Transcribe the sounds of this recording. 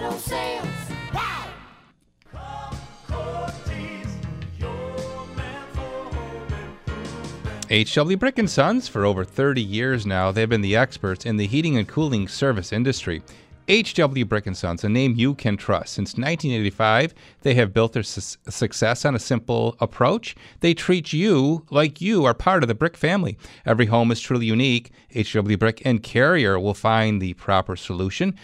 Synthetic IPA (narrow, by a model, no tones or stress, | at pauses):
eɪt͡ʃd̥ʌbl̩ˠjʉbɹɪkɨ̃nsʌ̃nz̥fə˞oʊvə˞θɜ˞ɾijɪɹznaʊðeɪɨvbɨ̃nðiɛkspə˞tsɨ̃nðɨɦiɾɪ̃ŋɨ̃nkʰulˠɪ̃ŋsɜ˞vɨsɪ̃ndɨstɹ̥ḭ | eɪt͡ʃd̥ʌbl̩ˠjʉbɹɪkɨ̃nsʌ̰̃nzɨnẽɪ̃mjɨkʰɨ̃ntʰɹ̥ʌ̰stsɪ̃nsnãɪ̃ntʰĩneɪɾifaɪv | ðeɪɨvbɪlˠt̪̚ðə˞ssɨksɛsn̩ɨsɪ̃mpl̩ˠəpʰɹ̥oʊt͡ʃðeɪtʰɹ̥it͡ʃɨlaɪkʰjɨə˞pʰɑɹɾʌvðɨbɹɪkfæ̃mlḭɛvɹiɦõʊ̃mɨz̥tʰɹ̥ulˠijʉnik | eɪt͡ʃd̥ʌbl̩ˠjʉbɹɪkɨ̃nkʰɛɹiə˞wɪlˠfãɪ̃nðɨpʰɹ̥ɑpə˞səluʃɨ̃n